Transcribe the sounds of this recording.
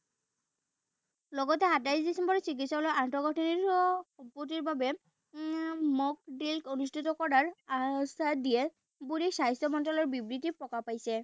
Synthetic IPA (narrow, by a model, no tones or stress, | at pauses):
lɔɡɔtɛɦatajsdisɛmbɔɹɔsik̬itsɔlɔjʔantɔɡɔʈʰiniɹxɔpːɔtiɹbabɛ | mɔk̚dilkonustʰitɔkɔdaɹasadiɛ | buɹisajsɔmɔntɔlɔɹbibɹitipɔkapajsɛ